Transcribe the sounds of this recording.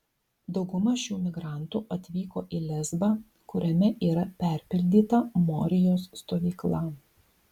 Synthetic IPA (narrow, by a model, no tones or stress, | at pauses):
d̪ɒʊɡʊmɐʃʲuːmʲɪɡɾɐˑnt̪uʔɐt̪ʲʋʲiːkoːʔilʲɛzbɑ | kʊɾʲɛmʲɛʔiːɾɐpʲæˑɾʲpʲɪlʲd̪ʲiːt̪ɐmoːɾʲɪjoːsːt̪oːʋʲiːklˠɐ